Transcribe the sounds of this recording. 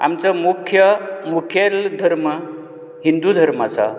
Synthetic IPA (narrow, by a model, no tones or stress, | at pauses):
a̰mt͡samukʰjəmukʰjeld̪ʱəɾmə | ɦind̪ud̪ʱəɾmat͡sa̰